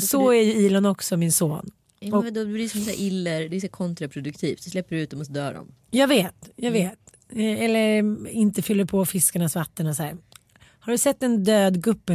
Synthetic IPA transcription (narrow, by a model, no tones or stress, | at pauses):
sɔæɾjɵiːlanɔksɔmɪnsoːn | ɔd̪ɔd̪ɵblɪsɔmsæ̰ːɾʔɪlːəɾd̪ɛæsæːɾkʰɔnt̪ɾapʰɾʊd̪ɵkt̪ʰiːft̪d̪ɵslɛpːəɾʉ̟t̪̚d̪ɔmɔsɔd̪œːɖɔ̰m | jɑːɡveːt̪jɑːɡveːt̪ | ɛlːəɾɪnt̪əfʏlːəɾpʰɔfɪskaɳasvat̪ːənasæːɾ | haɖɵsɛt̪ːɛnd̪øːd̪ɡɵpːə